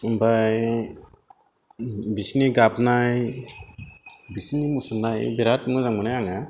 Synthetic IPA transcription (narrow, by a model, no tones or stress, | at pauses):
umbaj | bisniɡapnaj | bisnimusulnajbiɾatmɯzaŋmɯnajaŋa